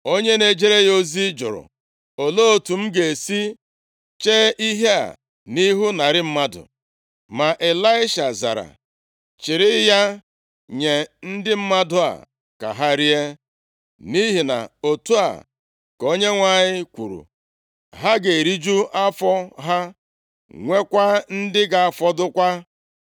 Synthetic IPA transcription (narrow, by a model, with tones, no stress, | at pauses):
o˦ɲe˦ne˨d͡ʒe˦ɾe˦jo˦zi˦d͡ʒʊ̰˨ɾʊ̰˨ | o˨lo˦o˨tu˨m̩˦ɡe˨si˦ | t͡ʃeː˦ʔi˦ɦe˦a̰˨ | ni˦ɦu˦na˨ɾɪ˦m̩˦ma˦dʊ̰˨ | ma˨ʔe˨la˦ɪ˦ʃa˨za̰˨ɾa̰˨ | t͡ʃɪ˨ɾɪ˦ja˦ | ɲe˨n̩˦dɪ˦m̩˦ma˦dʊ˦a̰˨ | ka̰˨ɦa˦ɾi˦e˦ | ni˦ɦi˨na̰˨o˨tu˦a̰˨ | ko˦ɲe˦ŋʷa˨ɲɪ˦kʷṵ˨ɾṵ˨ | ɦa˦ɡe˨ɾi˦d͡ʒu˦ʔa˦fɔ˦ɦa˦ | ŋʷe˦kʷa˦n̩˦dɪ˦ɡa˨a˨fɔ˦dʊ˦kʷa˦